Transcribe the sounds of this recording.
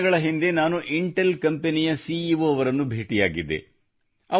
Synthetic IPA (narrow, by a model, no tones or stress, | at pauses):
ɡɐɭɐɦind̪e̞naːnuʔiɳʈelkɐmpenijɐsiːiʋoːɐʋɐɾɐnːubʱeːʈijaːɡid̪ːḛ | ɐ